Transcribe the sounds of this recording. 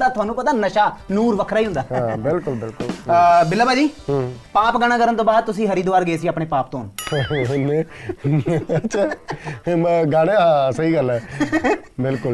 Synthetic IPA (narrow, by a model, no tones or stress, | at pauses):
d̪aːt̪ʊaːnũːpət̪aːnəʃaːnuːɾʋəkʰɾaːiːɦʊnd̪aːɦãːbɪlkʊlbɪlkʊlbɪlːaːbaːd͡ʒĩːpaːpɡaɽ̃ãːkəɾənt̪õːbaːd̪̚t̪ʊsĩːɦəɾiːd̪ʋaːɾɡəeːsiːaːpɳeːpaːp̚t̪õːn | ne | ətːʃʰaː | ɡaːɽeːɦãːsəɦiːɡəlɛː | bɪlkʊl